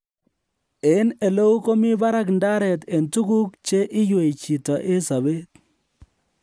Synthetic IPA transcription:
e˨˦ne˨lo˦u˦ko˦mi˦ba˦ɾa˦k̬nda˦ɾɛ˨te˨ntu˦ku˦k̚t͡ʃe˦ʔɪ˦jwe˨i˨t͡ʃi˨ta˨ʔe˦sa˨βe˦t

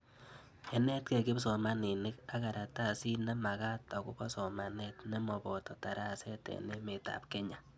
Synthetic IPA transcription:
ɛ˨nɛ˦t̚ke˨kɪ˦psɔ˨ma˦ni˨nɪ˦ka˦ka˨ɾa˨ta˦˨si˦na˦ma˨ɣa˦ta˨ku˦bɔ˦sɔ˨ma˨nɛ˦tnɛ˦mɔ˨bɔ˨tɔ˨ta˨ɾa˦˨sɛ˦tɛ̰ne˦me˨ta̰˨p̚kɛ˦ɲa˨

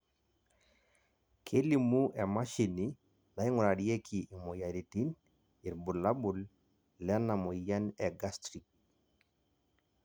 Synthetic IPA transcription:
kʰe˦li˨mu˦ʔɛ˨ma˦ʃi˨ni˦ | na˨i˦ŋʊ˨ɾa˨ɾi˦e˦kʰi˨ʔi˨mɔ˨ja˨ɾi˨ti˦n | i˨ɾbu˨la˦bu˨l | lɛ˦na˨mɔ˨ja˦nɛ˨ɡa˦stɾi˨k̚

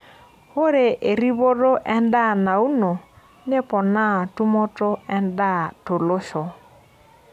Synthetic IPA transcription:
ho˦ɾe˨ʔe˨ɾi˦βo˦ɾo˦ʔɛ˦n˦da˦˨na˨u˦no˨ | ne˦pɔ˨na˦˨tu˦mɔ˦tɔ˦ɛ˦nda˦˨to˨lo˦ʃɔ˨

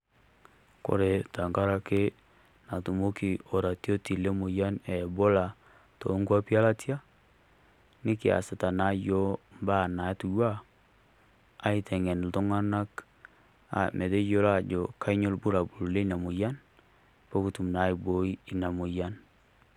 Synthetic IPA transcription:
ko̰˨ɾe˨ta˨ŋka˦ɾa˦ke˦ | na˨tu˨mo˦ki˨o˨ɾa˨to˦ti˨le˦mo˨ja˦nɛ˨bo˦la˨ | to̰˨˦ŋɡa˦pja˦la˦tja˦ | nɪ˦kɪ˨a̰˨sɪ˨ta˨na˦jo˦mba˦˨na˨˦tu˨jwa˦ | a˨˦i˦tɛ˨ŋɛ˨nltɔ˦ŋa˦na˦k | a̰˨mʔe˨de˦jo˦la˦˨d͡ʒo˨ka˦i˦ɲo˦lbu˦ɾa˨bu˨lu˨le˦na˨mo˨ja˦n | po˦ku˦tu˨m˨na˨˦i˨bo˨˦i˦i˨na˨mo˨ja˦n

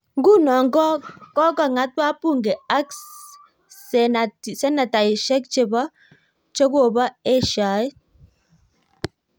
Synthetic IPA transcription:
ŋɡu˦˨nɔ˨ŋ˦ɡɔ˦kɔ˦ka˦˨ŋa˨˦t̚ba˦pu˦˨ŋɡe˨a˦ks | sɛ˦na˨ta˨ji˨ʃɛ˦k̚t͡ʃe˨ba˦ | t͡ʃe˦ɡo˦˨ba˦e˦˨ʃa˨˦j

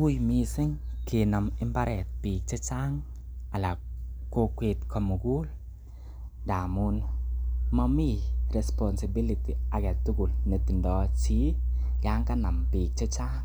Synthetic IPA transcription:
wu˦jmi˧sɪ˦ŋke˨na˨mɪ˦mba˦ɾʔɛ˨t̚piː˨k̚t͡ʃe˦t͡ʃa˦ŋ | a˨la˨ko˦kwe˨tkʰɔ˨mu˨ku˦l | da˨mu˦n | mɔ˦mi˦ɾɛ˨spɔ˨nsɪ˨bi˦li˨ti˨a˨kɛ˨tu˦ku˨lne˨ti˨ndɔ˨t͡ʃi˦ | ja˦ŋka˦na˨mpi˨k̚t͡ʃe˦t͡ʃa˦ŋ

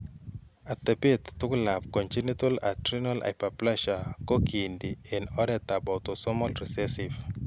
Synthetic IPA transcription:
a˨t̪ɛ˨pe˦t̪ːʊ˦kla˨p̚kɔ˨nt͡ʃi˦ni˦to˦la̰˨tɾinala̰˨pa˨plaʃa˨ko˦kʰi˨ndiɛnɔ˦ɾɛt̪a˨bɔtosɔ˦mɔlri˨sɛsiv

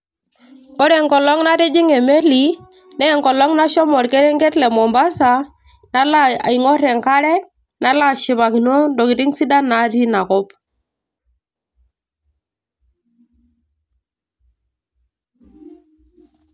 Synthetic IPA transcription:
ɔ˦ɾɛ˨ŋkɔ˨lɔ˦ŋna˦ti˦d͡ʒi˦ŋe˨me˦li˨ | nɛ˦˨ŋkɔ˨lɔ˦ŋna˦ʃɔ˦mɔ˨ɾke˦ɾɛ˦ŋɡe˦tlɛ˨mɔ˨mba˦sa˨ | na˦la˦a̰˨i˨ŋɔ˦ɾɛ˨ŋka˦ɾɛ˦ | na˦la˦˨ʃi˨βa˨ki˨nɔ˦ndɔ˨ki˨ti˦ŋsi˦da˦na˨˦ɾi˦na˨kɔ˦p

